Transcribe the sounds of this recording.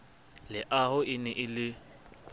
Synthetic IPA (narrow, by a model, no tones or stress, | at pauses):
lɪʔaɦʊɪnɛʔɪlɪ